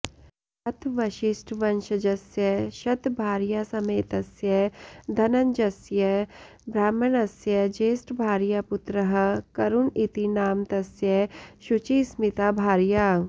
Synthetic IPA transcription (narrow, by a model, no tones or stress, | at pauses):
ɐt̪ʰʋɐʃɪsʈʰʋɐnʃəd͡ʒɐsjɐʃɐt̪bʱaːɾjasɐmeːt̪ɐsjɐd̪ʱɐnɐnd͡ʒɐsjɐ | bɾaːmɐnɐsjɐd͡ʒeːsʈʰbʱaːɾjapʊt̪ɾəɦə̆kɐɾunit̪inaːmt̪ɐsjɐʃut͡ʃiːsmɪt̪abʱaːɾjaː